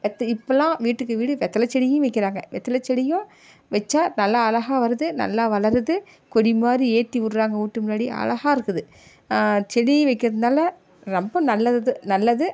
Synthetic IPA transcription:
ʋɛt̪ːɐɪpːɐlãːʋiːʈːɯkːɯʋiːɽɯʋɛt̪ːɐlɐt͡ʃːɛɽɪjʊ̃ʋɐɪkːɪɾaːŋɡɐʋɛt̪ːɐlɐt͡ʃːɛɽɪjʊ̃ | ʋɛt͡ʃːaːnɐlːaɐlɐɣaːʋɐɾɯðɯnɐ̰lːaːʋɐlɐɾðɯ | kɔɽimaːɾieːʈːiʋʊɾɯɾaːŋɡɐuːʈːɯmʊnːaːɽiʔɐ̰lɐɣaːɪɾɯkːɯðɯ | t͡ʃɛɽɪŋiʋɐɪkːɪɾɐðɯnaːlɐ | ɾɔmbɐnɐlːɐðɯnɐlːɐðɯ

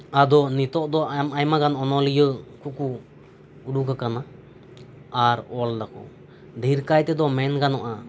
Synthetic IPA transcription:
ad̪ɔnit̪ɔʔd̪ɔmajmaɡanɔnɔlijəkuku | uɽukakana | aɾɔldakɔ̰ | d̪ʱiɾkajt̪ɛd̪ɔmɛnkanɔʔa

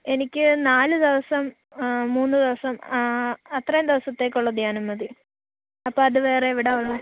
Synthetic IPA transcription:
e̞nikʲːɨnaːlɨd̪iʋɐsɐmː | uːnːɨd̪iʋɐsɐm | ɐt̪rɐjɐmd̪iʋɐsɐt̪ːe̞ːk̬ʲːuɭːɐd̪jaɐːnumɐði | ɐpːoːɐðuʋeːreʋiɽɐuɭːu

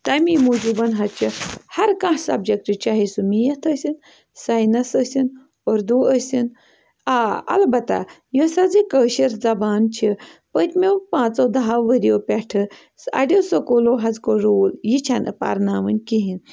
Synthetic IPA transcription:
t̪ɐmimud͡ʒubɐnɦɐtt͡ʃʰihɐɾkãɦsɐb̚d͡ʒɐk̚ʈɨt͡ʃʰaɦisumijɐt̪ʰəsin | sajnɐsəsin | oɾd̪uːəsʲin | aɐ̰lbɐt̪a̰josɐd͡zikəːʃiɾd͡zɐbaːnt͡ʃʰipət̪ʲmʲewpãːt͡sod̪ɐɦaʋəɾjopʲeʈʰɨ | sɐ̰ɖʲisokoloɦɐzkoɾoːljit͡ʃʰanɨ̰pa̰ɾnaːʋɨnʲkiɦin

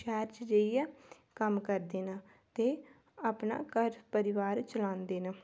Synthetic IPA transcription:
t͡ʃaːɾd͡ʒd͡ʒəijaː | kəmkəɾd̪eːnaː | t̪eː | aːpna̰ːkəɾpəɾɪʋaːɾt͡ʃəlãːnd̪eːnaː

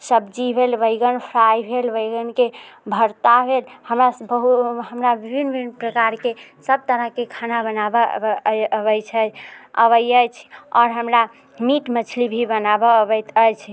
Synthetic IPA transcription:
səbd͡ʒibʱelʋəɡənpʰɾajbʱelʋəɡənkebʱəɾt̪abʱelhəmɾabəɦuɦəmɾabibʱinibʱinpɾəkaɾkesəb̚t̪əɾəɦkekʰanabənabə | βəjt͡ʃʰəə̰βəjəjt͡ʃʰɔɾɦəmɾa | miʈmət͡ʃʰlibʱibənabɔbəjt̪əjt͡ʃʰ

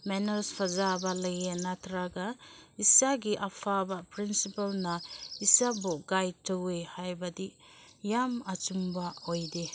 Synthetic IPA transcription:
menɐɾspʰazabalɐjenatɾaɡaisaɡiʔapʰabapɾinsipalnaisaboɡaj̚tɯwehajbadijamat͡ʃumbaojde

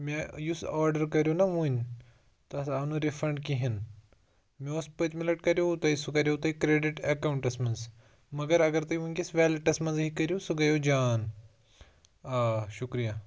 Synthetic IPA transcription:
mẽjusaːɾɖɐɾkɐɾjonɐʋũːnʲ | t̪ɐɐsanuɾifɾɐɳɖkiɦin | meoːspɐt͡ʃmilɐʈkɐɾjot̪ɐisukɐɾjot̪ɐikɾeːɖiʈɐkɐwuɳʈɐsmɐnz | mɐɡɐɾɐɡɐɾt̪ɐjũkʲisʋɛːlɐʈɐsmɐnzɦikɐɾjosuɡɐjoːd͡ʒaːn | aːʃukɾija

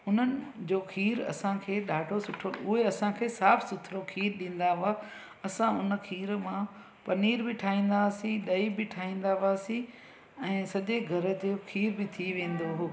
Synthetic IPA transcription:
ʊn̤ənɪ̆d͡ʑoːxʰiːɾɐ̰sãkʰeːɗaːɖʱosʊʈʰoʊɦeɐsãkʰeːsaːfʰsʊt̪ʰɪɾokʰiːɾɗĩːn̆d̪aɦʊa | ɐsãʊnə̆kʰiːɾmã | pɐniːɾbɪʈʰaːĩːn̆d̪aːsĩɗɐibɪʈʰaːɦĩːn̆d̪aɦaːsĩ | ɛ̃ːsɐʄeɡʱɐɾə̆d͡ʑoːxʰiːɾbɪt̪ʰiʋẽːnd̪oɦoː

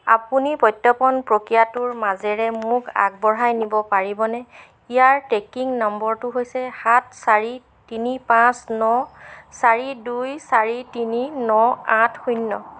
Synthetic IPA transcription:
a̰punipɔjtːɔpɔnpɹokɹijatʊɹmazɛɹɛmʊka̰ɡ̚bɔɹajnibɔpaɹibɔnɛ | ijaɹtekiŋnɔmbɔɹtʊɦojsɛhat̚saɹi | tinipãsnɔsaɹidujsaɹitininɔãtʰxujnːɔ

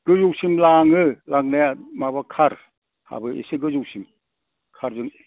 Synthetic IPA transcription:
ɡ̥ɯjuwsimlaŋɯlaŋ̚najamaβakʰaɾ | ha̰bɯḛseɡɯzuwsim | kʰaɾzɯŋ

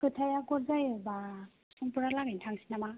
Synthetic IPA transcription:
kɯtʰajakɔlzajɯba | sɔŋpuɾalaŋintʰaŋsinama

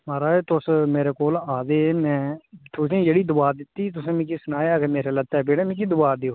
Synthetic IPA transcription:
maːɾaːeːt̪ʊsmeːɾeːkoːlaːd̪eːmɛ̃ːt̪ʰʊsĩːd͡ʒeːɽiːd̪ʊʋaːd̪ɪt̪ːiːt̪̬ʊsẽːmĩːkisʊnaːjaːkemeːɾeːlət̪ːɛːbeːɽẽːmĩːkid̪ʊʋaːd̪eoː

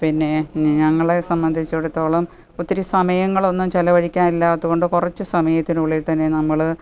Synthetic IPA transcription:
pinːe̞ɲɐŋːɐɭe̞sɐmbɐnd̪ʱit͡ɕːuɽut̪ːo̞ːɭɐm | ot̪ːiɾisɐmɐjɐŋːɐɭo̞nːumt͡ɕɐlɐʋɐɻikʲːaːnilːɐɐðuɣo̞ɳɖɨkurɐt͡ɕːɨsɐmɐjɐt̪ːinuɭːiʈt̪ɐnːenɐmːɐɭ

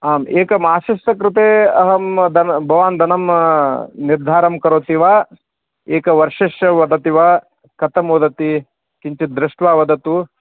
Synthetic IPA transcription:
aːmeːkɐmaːʃiʃʈɐkɾɪt̪eːɐɦɐmd̪ɐnbʱɐʋaːnd̪ʱɐnɐm | niɾd̪ʱaːɾɐmkɐɾoːt̪iʋaː | eːkɐʋɐɾʂeʃɐʋɐd̪ɐt̪iʋaː | kɐt̪ɐmoːd̪ɐt̪i | kiɲt͡ʃid̪ɾɪʂʈʋaːʋɐd̪ʱɐt̪u

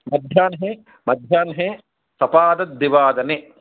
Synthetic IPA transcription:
mɐd̪ʱjaːnɦe | mɐd̪ʱjaːnɦe | sɐpaːd̪ɐd̪ːiʋaːd̪ɐne

